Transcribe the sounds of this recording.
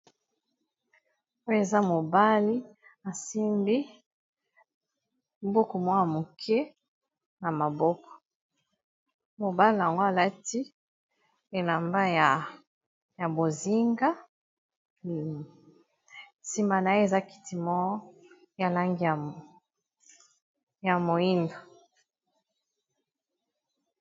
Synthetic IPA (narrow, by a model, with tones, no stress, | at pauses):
o˦e˨za˦mo˨ba˦li˦a˨si˦mbi˦ | bo˦kɔ˨mwa˦a˨mo˨kʰɛ˦ | na˨ma˨bɔ˦kɔ̥˨ | mo˨ba˦li˨a˨ŋɡo˦a˨la˦ti˦ | e˨la˨mba˦ja˨ | ja˨bo˨zi˦ŋɡa˦˨ | si˨ma˨na˨je˦e˦˨za˦ki̥˨ti˨mɔ˦ɔ˦ | ja˨la˦ŋɡi˦a˨ | ja˨mo˨i˦ndo˨